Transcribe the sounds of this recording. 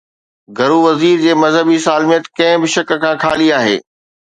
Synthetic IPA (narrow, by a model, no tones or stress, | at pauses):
ɡʱɐɾuʋɐziːɾd͡ʑeːmɐzɦəbisaːlmijət̪kɐ̃ɦɪ̃bɪʃɐk̆kʰãːkʰaːliaːɦḛː